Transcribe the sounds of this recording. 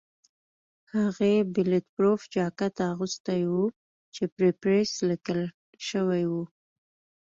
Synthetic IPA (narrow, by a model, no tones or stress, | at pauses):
haɣebɪlet̪pɾofd͡ʒɑkat̪aːɣust̪ajwu | t͡ʃepɾepɾeslɪkəl | ʃəwajwu